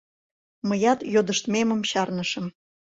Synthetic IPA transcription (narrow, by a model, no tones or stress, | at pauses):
məjɑt̪jod̪ə̆ʃt̪memə̆mɕɑrnəʃə̆m